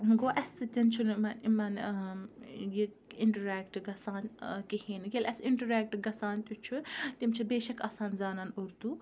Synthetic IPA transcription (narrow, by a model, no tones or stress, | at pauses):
ɡoːʔɐst̪ɨt̪int͡ʃʰunmɐnimɐn | ji | ɪɳʈɐɾɛːkʈɡɐsaːnkihiːnɡʲelʔɛsiɳʈɐɾeːk̚ʈɡɐsaːnt̪ʲut͡ʃʰut̪imt͡ʃʰibeːʃɐkaːsaːnzaːnɐnuɾt̪u